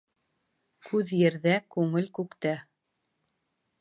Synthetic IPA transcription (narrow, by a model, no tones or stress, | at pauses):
kʰʉðjɘ̆ɾðækʉŋɘlkʉkt̪æ